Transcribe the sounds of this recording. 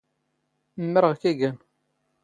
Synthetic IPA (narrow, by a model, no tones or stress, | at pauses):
mːəɾʁkæɡæn